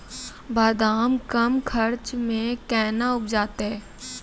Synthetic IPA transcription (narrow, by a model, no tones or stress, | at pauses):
baːd̪aːmkɐmkʰɐɾt͡ʃmẽkɛːnaʊp̚d͡ʒaːt̪eɦɛ̃ː